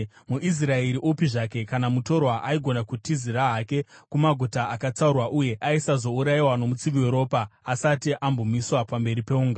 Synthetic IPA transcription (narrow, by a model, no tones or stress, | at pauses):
muʔis̬raeɾiʔupiʐake̞kanamuto̞ɾwaʔaiɡʱo̞nakutiziɾaɦake̞kumaɡʱutaakat͡saurwaʔuje̞ʔaisazo̞uɾaiwano̞mut͡siʋioɾo̞ːpaːsatiʔambo̞miswapambe̞ɾipe̞uːŋɡa